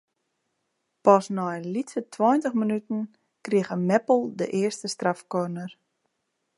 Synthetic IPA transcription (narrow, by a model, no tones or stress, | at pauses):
pɔsnɔjənlitʰətʰwɔjntəxmənytən̩ | kriəɣəmɛpl̩ˠdəʔɪərstəstrafkɔrnər